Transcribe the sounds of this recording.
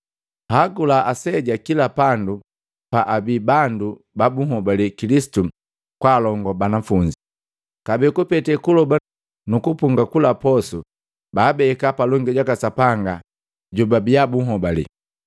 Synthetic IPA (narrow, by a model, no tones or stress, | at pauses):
haɡulaːsɛɟakilapandu | paʔabibandu | babuhɔbalikilisi̥tu | kwalɔŋɡɔbanafuɲd͡ʒi | kabɛkupɛtɛkulɔba | nukupuŋɡakulapɔsu | baːbɛkapalɔŋɡɛɟakasapaŋɡa | ɟubabiabuhɦɔbalḭ